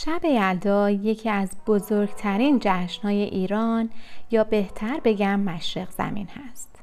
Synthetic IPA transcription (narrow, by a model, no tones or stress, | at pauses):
ʃæbe̞jæld̪ɒːje̞cʰiːæzb̥ozoɾɡt̪ʰæɾiːnd͡ʒæʃnhɒːje̞ʔiːɾɒːnjɒːbe̞ht̪ʰæɾbe̞ɟæmːæʃɾeɣz̥æ̰mḭːnhæst̪